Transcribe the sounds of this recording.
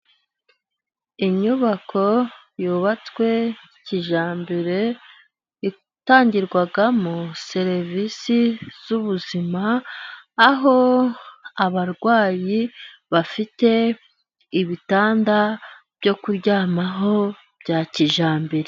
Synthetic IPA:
iɲuβakʰo̞ | juːβat͡swe̞ | ciʒaːmbiɾe̞ | i | taːɲɟiɾɡwaɡamuse̞ɾevisiz̥uβuzimaː | ɦo̞ | aβaɾɡwaːjiβafite̞ | iβitaːnda | b̥jo̞kuɾɟaːmaɦo̞ | b̥ɟaciʒaːmbiɾe

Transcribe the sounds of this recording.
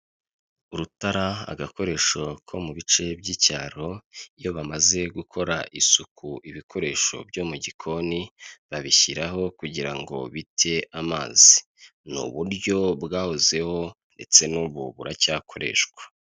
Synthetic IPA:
uɾutaɾaa̰ɡako̞ɾe̞ːʃokʰo̞muβit͡ʃe̞bɟiːcaːɾo̞ijo̞βamaze̞ɡukʰo̞ɾaʔisukʰuʔiβikʰo̞ɾe̞ʃo̞̰bjo̞ːmuɟikʰo̞niβaβiçiɾaɦo̞kuɟiɾaŋɡo̰βitʰe̞ʔamaːzi | nṵβuɾɟo̞bɡaːhoze̞ho̞ | nde̞t͡se̞nuːβuβuɾacaːkʰo̞ɾe̞̰ʃɡwḁ

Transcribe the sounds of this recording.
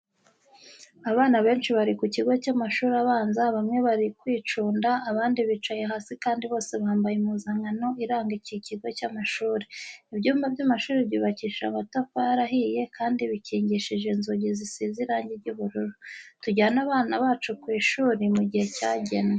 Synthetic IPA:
aβaːnaβe̞ːnʃiβaɾikuciɡo̞camaʃuːɾaβaːnzaβamŋe̞βaɾikwiːt͡ʃuːndaʔːβaːndiβit͡ʃajeɦaːsikaːndiβo̞ːse̞βaaːmbajimuzaŋano̞ʔiɾaːŋɡiciciɡo̞camaʃuːɾiibɟuːmbabɟamaʃuːɾibjiːβaciːʃamatafaɾaɦije̞kʰaːndiβiciːɲɟiʃiʒe̞nzoɟizisiziɾaːɲɟeɾɟuːβuɾuɾotuɟaanaβaːnaβaːt͡ʃukwiːʃuːɾimuɟihe̞caːɟe̞ne

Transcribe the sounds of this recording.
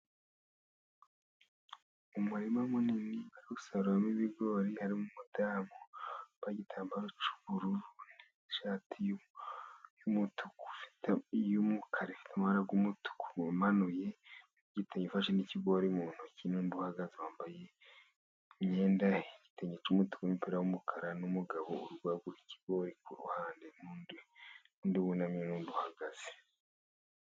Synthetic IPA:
umuɾimamuniniβaɾikusaɾuɾamiβiɡo̞ɾihaɾimumudaːmobaɟitʰaːmbaɾot͡ʃu̥βuɾuɾun | ʃaːtʰi | jumutʰu̥ku̥fi̥tajumukʰaɾefi̥tʰamaɾaɡumutu̥ku̥manuje̞ | ɟiteɲefaʃeniciɡoɾimuːn̥ucinuːnbuhaɡazewaːmbaje̞ | mɲeːndaiɟ̥i̥teɲet͡ʃumutu̥kumipeɾawumukʰaɾanumuɡaβouɾuɡwaɡuici̥ɡo̞ɾikuɾṵhaːndenund | uːndiβunamɲenuːnbuhaɡaz̥e̥

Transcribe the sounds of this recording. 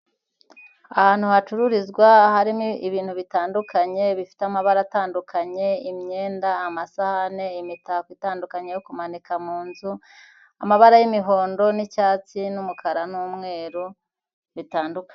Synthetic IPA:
ahaːn̥huhat͡ʃuɾuɾizɡwahaɾiiβiːnhuβitaːndukaɲe̞βifi̥teamaβaɾataːndukʰaɲe̞imɲe̞ːndaːmasahane̞imitahkwiːtaːndukaɲe̞jokumanikamuːnzu | amaβaɾajimiɦo̞ːndo̞nicaːt͡sinumukʰaɾanuːmŋe̞ːɾu | βitaːndukḁ

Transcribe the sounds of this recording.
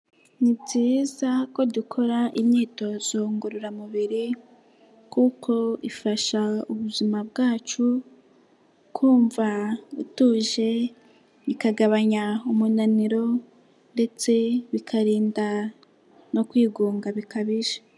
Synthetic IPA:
nibɟiːzako̞dukʰo̞ɾaʔimɲiːto̞z̥oŋɡuɾuɾamuβiɾi | kukʰo̞ifaʃauβuzimabɡaːt͡ʃu | kʰuːɱvaituʒe̞ | ikaɡaβaɲaumunaniɾo̞ | nde̞t͡se̞βikʰaɾiːnda | no̞kwiːɡuːŋɡaβikaβiʒḁ

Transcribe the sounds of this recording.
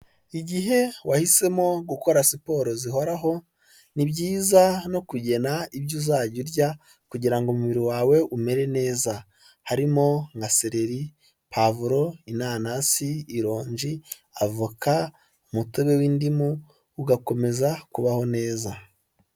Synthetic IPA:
iɟiɦe̞wahise̞mo̞ɡuko̞ɾasipo̞ɾoziɦo̞ɾaɦo̞ | nibɟiːzano̞kuɟe̞naibɟuzaːɟuɾɟa | kuɟiɾaŋɡomuβiɾiwaːwe̞ʔume̞ɾe̞ne̞ːza | haɾimo̞ŋɡaseɾe̞ɾi | pʰavuɾo̞inaːnasiːɾo̞ːɲʒi | avuka | umuteβe̞wiːndimuː | ɡako̞me̞zakuβaho̞ne̞ːza

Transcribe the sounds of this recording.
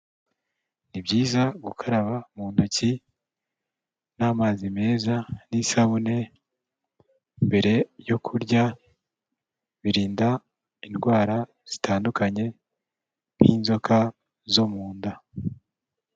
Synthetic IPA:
nibɟiːzaɡukʰaɾaβamuːndaci | namaːzime̞ːzanisaβune̞ | mbe̞ɾe̞jo̞kʰuɾɟa | βiɾiːnda | inɡwaːɾa | z̥itʰaːndukaɲe̞ | m̥hiːnzo̞kʰa | zo̞muːnda

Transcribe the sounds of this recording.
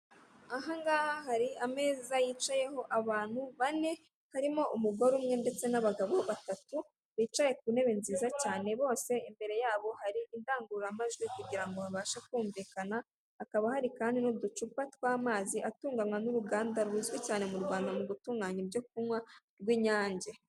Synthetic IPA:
aɦaŋɡaːhaɦaɾiame̞ːzajiːt͡ʃaje̞ɦo̞ʔaβaːn̥huβane̞ | haɾimo̞ʔumuɡo̞ɾumŋe̞nde̞t͡se̞naβaɡaβo̞βatatu | βiːt͡ʃaje̞k̚une̞βinziːzacaːne̞βo̞ːse̞imbe̞ɾe̞jaːβo̞haɾiindaːŋɡuɾamaʒɡwikuɟiɾaŋɡo̞aβaːʃakwuːɱviːkanaː | kaβahaɾikaːndinodut͡ʃupatwaːmaːziʔatuːŋɡamwanuɾuɡaːndaɾwiːzwecaːne̞muɾɡwaːndamuβutuːŋɡaɲebjo̞k̚umwa | ɾɡwiːɲaːɲɟe

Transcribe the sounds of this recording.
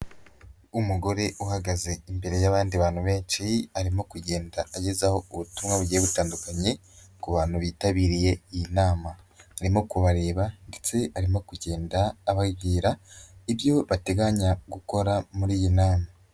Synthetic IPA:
umuɡo̞ɾe̞ʔuhaɡaze̞imbe̞ɾe̞jaβaːndiβaːn̥huβe̞ːnt͡ʃiaɾimo̞kuɟe̞ːndaːɟezaho̞uβutumŋaβuɟijeβutaːndukaɲe̞ | kuβaːn̥huβiːtaβiːɾije̞ijinaːmaː | ɾimo̞kuβaɾe̞ːβandet͡se̞aɾimo̞kuɟe̞ːndaːβaɡiːɾaiβjo̞βate̞ɡaɲaɡuko̞ɾamuɾiːjinaːma

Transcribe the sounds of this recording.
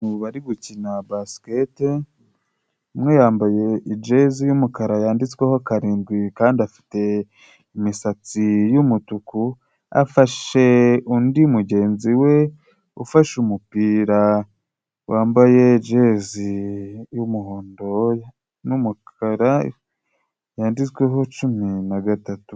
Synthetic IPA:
nuβuβaɾiɡucinabaskete | mŋe̞jaːmbaje̞id͡ʒe̞zijumukaɾajaːndit͡swehokaɾiːnɡwikaːndiafi̥te̞ | imisat͡sijumutuku | a̰faʃe̞undiumuɟe̞ːnziwe̞ | ufaʃumupiːɾa | wʔaːmbaje̞d͡ʒezijumuhoːndo̞ | numukʰaɾa | jaːndit͡sweɦo̞t͡ʃuminaɡatatu̥

